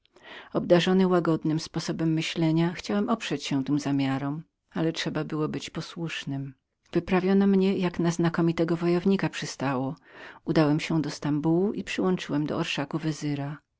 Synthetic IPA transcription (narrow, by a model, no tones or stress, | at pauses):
ɔb̚d̪aʐɔnɘwaɡɔd̪nɘmspɔsɔbɛmːɘɕlɛɲaxt͡ɕawɛmʔɔpʂɛt͡ɕɕɛ̃t̪ɘmzamʲjaɾɔm | alɛtʂɛbabɘwɔbɘt͡ɕpɔswuʂnɘm | vɘpɾavʲjɔnɔmɲɛjaknaznakɔmʲit̪ɛɡɔvɔjɔvɲikapʂɘst̪awɔud̪awɛmɕɛd̪ɔst̪ambuwuʔipʂɘwɔnt͡ʂɘwɛmd̪ɔ̰ɔɾʂakuvɛzɘɾa